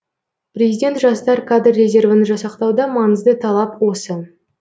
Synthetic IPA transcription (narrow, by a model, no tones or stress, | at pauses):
prʲezʲijdʲe̞nt̪ʒɑst̪ɑɾkʰad̪rːe̞zʲe̞rvənəʒɑsɑqt̪ɑwd̪ɑmɑnəzd̪ət̪ʰɑlˠɑpwo̞sə